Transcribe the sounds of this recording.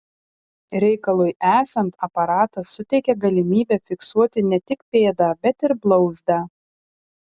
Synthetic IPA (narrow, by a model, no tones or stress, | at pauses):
ɾʲɛɪkɐlˠʊjʔæːsɐnt̪ɐpɐɾɑːt̪ɐsːʊt̪ʲɛɪkʲɛɡɐlʲɪmʲiːbʲɛfʲɪksuɔt̪ʲɪnʲɛt̪ʲɪkpʲeːd̪ɑːbʲɛt̪ɪɾblˠɒʊzd̪ɑː